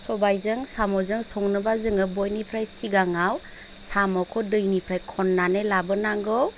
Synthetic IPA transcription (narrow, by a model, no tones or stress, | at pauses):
sɔbajzɯŋsamɔzɯŋsɔŋnɯbazɯŋɯbɔjnipʰɾajsiɡaŋaw | samɔkʰɔdɯjnipʰɾajkʰɔnːanelabɯnaŋɡɯw